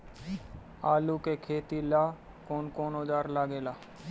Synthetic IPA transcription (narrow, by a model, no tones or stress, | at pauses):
aːlukeːkʰeːt̪iːlaː | koːnkoːnoːd͡ʒ̪aːɾlaːɡeːlaː